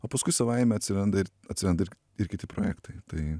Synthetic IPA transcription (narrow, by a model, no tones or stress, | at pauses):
oːpɐskʊɪsɐʋɐɪmʲɛɐt̪ʲsʲɪɾɐnd̪ɐɪɾ | ɐtʲsʲɪɾɐnd̪ɐɪɾ | ɪɾkʲɪtʲɪpɾoːjæːkt̪ɐɪt̪ɐɪ